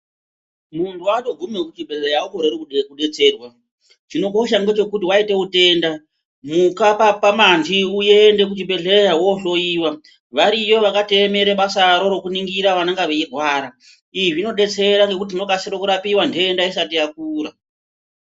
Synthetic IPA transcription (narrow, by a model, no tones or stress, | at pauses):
muntʰuato̞ɡʱumekut͡ʃibʱeɮejaoko̞ɾerekuekuɗe̞t͡se̞ːrwa | t͡ʃino̞ko̞ʃaŋɡe̞t͡ʃe̞kutiwaite̞ute̞ːnda | mukapapamantiuje̞nde̞k̬ut͡ʃibʱe̞ɮejawo̞ɬo̞iːwa | ʋaɾijo̞ʋakate̞eme̞ɾemasaɾo̞ɾo̞kuniŋɡiɾaʋanaŋɡaʋeirʱwaːɾa | iiʐino̞ɗe̞t͡se̞ɾaŋɡe̞kut̬inokasiɾokuɾapiwandoendaisatijak̚uːɾa